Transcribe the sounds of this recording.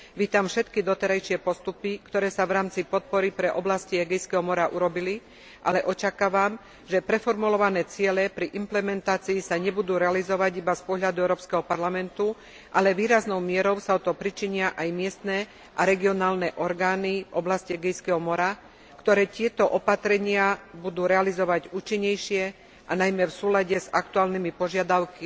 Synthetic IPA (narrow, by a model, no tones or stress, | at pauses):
ʋiːt̪amfʃɛt̪kid̪ɔt̪ɛɾajʃɪɛpɔst̪upikt̪ɔɾɛːsaʋɾaːmt͡sipɔt̪̚pɔɾipɾɛʔɔblasciɦɛɡɛjskɛɦɔmɔɾaʔuɾɔbili | ʔa̰lɛʔɔt͡ʃakaːʋam | ʒɛpɾɛfɔɾmulɔʋanɛːt͡sɪɛlɛpɾiʔimplɛmɛnt̪aːt͡siːsaɲɛbud̪uːɾɛalizɔʋaɟibaspɔɦʎad̪uɛʊɾɔːpskɛɦɔpaɾlamɛnt̪u | ʔalɛʋiːɾaznɔʊmɪɛɾɔʊsaɔt̪ɔpɾit͡ʃiɲɪaʔajmɪɛst̪nɛ | ʔaɾɛɡiɔnaːlnɛʔɔɾɡaːnivɔblasciɛɡɛjskɛɦɔmɔɾa | kt̪ɔɾɛːt̪ɪɛt̪ɔʔɔpat̪ɾɛɲɪabud̪uːɾɛalizɔʋaɟuːt͡ʃiɲːɛjʃɪɛ | ʔanajmɛfsuːlaɟɛzak̚t̪uaːlnimipɔʒɪad̪aʊki